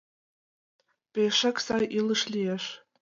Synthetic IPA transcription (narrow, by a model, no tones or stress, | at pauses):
peʃæksɑjʔilɤʃlʲieʃ